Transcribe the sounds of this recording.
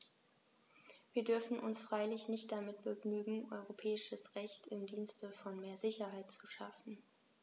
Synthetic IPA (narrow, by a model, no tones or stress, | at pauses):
viːɐdʏɐfn̩ʔʊnsfʁ̥aɪlɪçnɪçt̚d̥amɪtb̥əɡnyːɡŋ̩ʔɔ̰ʏʁopʰɛːɪʃəsʁɛçtʰɪmdiːnstəfɔnmeːɐzɪçɐɦaɪtt͡suʃafn̩